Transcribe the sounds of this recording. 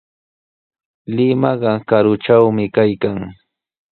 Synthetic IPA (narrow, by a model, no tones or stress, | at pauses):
lɪmɑɢɑkaɾʊt͡ʃawmɪkajkaŋ